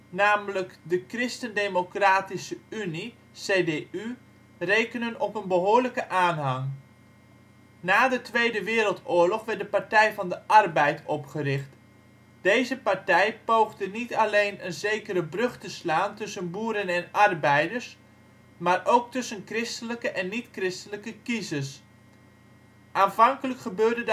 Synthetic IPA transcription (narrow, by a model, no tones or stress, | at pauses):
naːmləkdəkrɪstəndemokraːtisəyni | seːdeʔy | rejkənənɔpənbəɦoːɹləkəʔaːnɦɑŋ | naːdətʋejdəʋɪːɾəlˠtʊːɹlɔχʋɛrt̚dəpaɹtɛjvɑndəʔɑrbɛjtʰɔpχərɪχt | d̥ejzəpaɹtɛjpowχdənitalejnənzejkəɾəbrɵχtəslaːntɵsənbuːɾənɛnɑrbɛjdəɹs | maːrʔowk̚tɵsənkrɪstələkəʔɛnːitkrɪstələkəkizəs | ʔaːnvɑŋkələkχəbøːɹdəd